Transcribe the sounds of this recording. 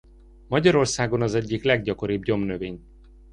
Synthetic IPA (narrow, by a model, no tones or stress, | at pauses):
mɒɟɒɾo̞rsaːɡo̞nɒzɛɟːiklɛɡɟɒko̞ɾiːbɲo̞mnøveːɲ